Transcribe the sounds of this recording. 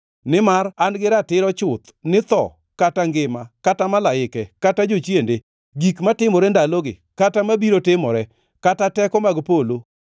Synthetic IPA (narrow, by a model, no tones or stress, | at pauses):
nɪmaɾanɡɪɾatɪɾɔt͡ʃʊt̪ | nɪt̪ɔ̰ | kataŋɡɪmakatamalaɪkɛkatad͡ʒot͡ʃjende | ɡikmatɪmɔɾɛndaloɡɪ̰ | katamabiɾotɪmɔɾɛ | katatɛkɔmaɡpolo